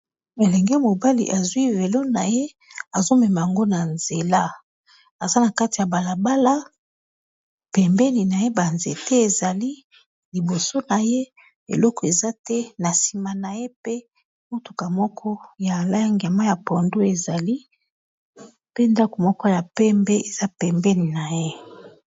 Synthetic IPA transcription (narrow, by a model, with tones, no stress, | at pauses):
e˨lɛ˨ŋɡɛ˦mo˨ba˦lḭ˨ʔa˨zwi˦ve˨lo˦na˨je˦ | a˨zo˦mɛ˨ma˨ja˨ŋɡo˦na˨nze˨la˦ | a˨za˦na˨ka˦ti˨a˨ba˨la˨ba˦la˦ | pɛ˨mbɛ˦ni˨na˨je˦ba˨nze˨tɛ˦e˨za˨li˦ | li˨bo˨so˦na˨je˦ | ḛ˨lɔ˦kɔ˨e˨za˦tɛ˦na˨si˨ma˨na˨je˦pe˦ | mo˦tu˨ka˨mɔ˦kʰɔ˦ja˨la˦ŋɡi˨a˨ma˦ja˨pɔ˨ndo˦e˨za˨li˦ | pe˦nda˦ko˨mɔ˦kɔ˦ja˨pɛ˦mbɛ˦e˨z̥a˦pɛ˨mbɛ˦ni˨na˨je˦